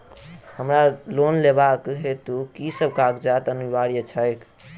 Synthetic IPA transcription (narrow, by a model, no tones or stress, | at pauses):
həmɾalonlebakɦet̪ukisəb̚ʱkakd͡ʒat̪ənubaɾijət͡ʃʰəjkʰ